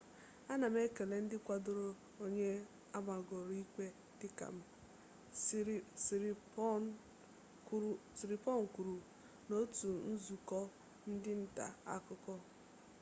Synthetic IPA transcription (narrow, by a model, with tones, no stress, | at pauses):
a˦na˨m˦e˦ke˨le˨n̩˦dɪ˦kʷa˨do˦ɾo˦ | o˦ɲe˦ | a˦ma˨ɡɔ˨ɾi˦kʷe˦ | dɪ˦ka̰˨m̩˨˦˨ | si˨ɾi˨pɔ˦ŋ̩˨ku˨ɾu˨ | no˦tu˨n̩˦zu˨kɔ˦ | n̩˦dɪ˦n̩˦ta̰˨a̰˦kʊ˦kɔ˦